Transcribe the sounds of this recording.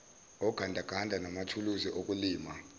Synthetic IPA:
ɔɡ̥ʱandʱaɡ̥ʱandʱanamatʰuluziʔok̬ʼuliːma

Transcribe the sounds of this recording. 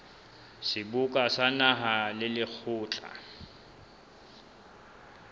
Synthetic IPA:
sɪbukʼasanaɦalɪlɪk͡xʰʊːt͡ɬʼa̰

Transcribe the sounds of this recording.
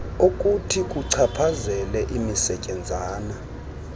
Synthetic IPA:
okʼutʰikʼuǀʰapʰazɛlɛʔimisɛcʼɛnd͡zʱaːna

